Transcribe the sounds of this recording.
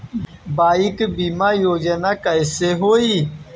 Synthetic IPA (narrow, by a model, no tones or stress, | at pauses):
baːikbimajoːd͡ʑɐnakɐjseɦoːi